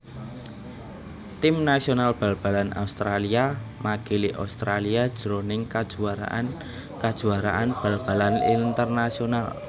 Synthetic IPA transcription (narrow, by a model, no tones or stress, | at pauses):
t̪ɪmnasionalb̥a̤lb̥a̤lanʔa̰ust̪ɾaliamaɡ̥eliʔa̰st̪ɾaliad̥ʒ̥əɾonɪŋkad̥uaɾa̰n | kad̥ʒ̥ṳaɾa̰ʔanb̥a̤lb̥a̤lanḭnt̪ərnasional